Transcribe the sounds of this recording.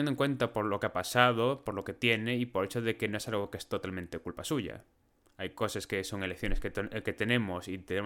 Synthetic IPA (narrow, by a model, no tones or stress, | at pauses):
end̪oŋkwe̞nt̪apo̞ɾlo̞keapasað̞opoɾlo̞ke̞t̪je̞ne̞ipoɾesoðekeno̞e̞salɣokeest̪o̞t̪almẽnt̪ekulpasuʝa̰ | ajko̞saskeso̞ŋe̞lekθjo̞neskeket̪e̞ne̞mosit̪ene